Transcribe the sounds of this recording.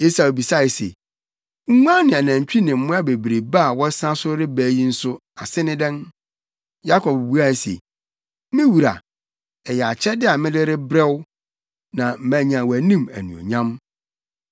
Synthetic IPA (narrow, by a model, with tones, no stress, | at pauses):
e˦sa˦˨o˨bi˨sa˦˨ɪ˨sḛ˨ | ŋ̩˦ŋʷ˦ã˦nɪ̃˨a˨nã˨ɲ˨t͡ɕᶣi˦nɪ̃˨m̩˦mʊ̃˦a˦be˨bɾe˨ba˦a˨wɔ˦sã˦sʊ˦ɾɪ˦bæː˦ji˦n̩˦sʊ˦a˨sɪ˦nɪ̃˦dɛ̃˦n | ja˦kʰɔ˨b̚bu˦a˦˨sḛ˨ | mɪ̃˦wu˨ɾa̰˨ | ɛ˨jɛ˨a˨t͡ɕʰɛ˦dɪ˦a˨mɪ̃˦lɪ˦ɾɪ˦bɾɛ˦wʊ˦ | nã˨m̩˦bæ̃˨˦ɲã˨wɔ˨æ˨nĩ˦mæ̰˨nũ˨o̰˨ɲã˦m